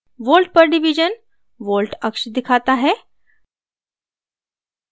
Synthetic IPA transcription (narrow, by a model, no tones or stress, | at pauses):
ʋoːlʈ̚pəɾɖiʋid͡ʒən | ʋoːlʈəkʃd̪ɪkʰat̪aɦɛː